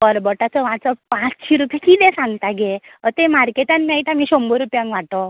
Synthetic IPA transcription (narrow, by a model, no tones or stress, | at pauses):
kɔɾbɔʈat͡sɔʋãt͡sɔpãt͡st͡ɕʰiɾupʰjẽkid̪ẽsãŋɡt̪aɡeɔt̪ẽmaɾkeʈanmajt̪amiɕɔmbəɾupjãŋkʋaʈɔ